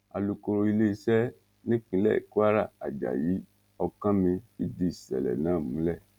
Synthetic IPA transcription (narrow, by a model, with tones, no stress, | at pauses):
a̰˨lu˧ko˧ɾo˧i˧le˦i˧˦sɛ˦ | nĩ˦kĩ˧lɛ̰˦˨ḭ˨ku˦a˦ɾa˦˨a˨d͡ʒa̰˨ji˨˦ | ɔ˧kã˦mĩ˧i˦di˦i˦˨sɛ̰˨lɛ̰˨nã˨˦˨mũ˨˦lɛ˦˨